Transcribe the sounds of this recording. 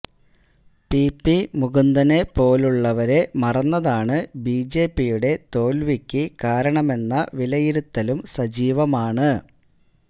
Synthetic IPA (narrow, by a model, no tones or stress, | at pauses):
pipːimuɡund̪ɐne̞po̞ːluɭːɐʋɐɾe̞mɐrɐnːɐðaːɳɨbiːd͡ʑe̞ːpːijuɽe̞t̪o̞ːlʋikʲːɨkaːɾɐɳɐme̞nːɐʋilɐjiɾut̪ːɐlumsɐd͡ʑiːʋɐmaːɳɨ